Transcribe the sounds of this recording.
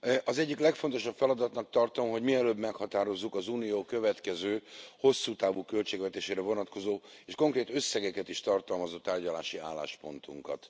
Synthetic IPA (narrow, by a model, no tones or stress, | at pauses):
ʔɒzɛɟːiklɛkfo̞nt̪o̞ʃɒpfɛlɒd̪ɒt̪nɒk̚t̪ɒrt̪o̞mɦo̞ɟmiɛløːbmɛkhɒt̪aːɾo̞zːukɒzuːnijoːkø̞vɛt̪kɛzøːho̞sːuːt̪aːvukølt͡ʃeːɡvɛt̪eːʃeːɾɛvo̞nɒt̪ko̞zoːeːʃko̞ŋkreːt̪ø̞sːɛɡɛkɛt̪iʃt̪ɒrt̪ɒlmɒzoːt̪aːrɟɒla̰ːʃiaːlːa̰ːʃpo̞nt̪uŋkɒ̰t̪